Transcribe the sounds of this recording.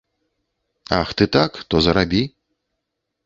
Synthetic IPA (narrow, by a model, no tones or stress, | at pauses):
a̰xt̪ɨt̪akt̪ɔzɐɾabʲi